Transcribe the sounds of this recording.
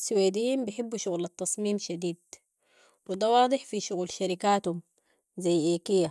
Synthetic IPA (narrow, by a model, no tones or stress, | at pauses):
suweːd̪iːimbɪħɪbːuʃuɣlat̪ːɑsˤmiːmʃad̪iːd̪̚ | wid̪awɑːd̪ˤɨħfiʃuɣulʃaɾikaːt̪hum | zajːʔeːkijːa